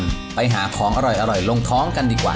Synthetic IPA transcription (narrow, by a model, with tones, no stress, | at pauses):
m | pa˧jɦaː˩˦kʰɔː˩˦ŋʔa˧ɾɔ˨˩jʔa˧ɾɔ˨˩jlo˧ŋt̪ʰɔː˦˥ŋka˧ndiː˧˩kwa̰ː˨˩